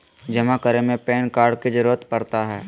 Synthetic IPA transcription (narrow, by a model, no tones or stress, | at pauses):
d͡ʒɐmakəɾemẽpeːnkaːɾɽkid͡ʒɐɾuːɾət̪pɐɾt̪aɦɛː